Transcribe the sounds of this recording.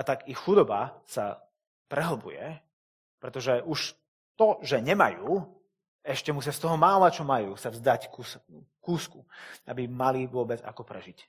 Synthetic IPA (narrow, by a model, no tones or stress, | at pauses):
at̪aɡixxud̪ɔba̰sa | pɾɛɦl̩bṵjɛ̰ | pɾɛt̪ɔʒɛʔuʃ | t̪ɔʒɛɲɛma̰juː | ɛʃcɛmus̬ɪast̪ɔɦɔmaːlat͡ʃɔmajuːsavzd̪ackus | kuːskua̰bimaliʋʊɔbɛd͡za̰kɔpɾɛʒic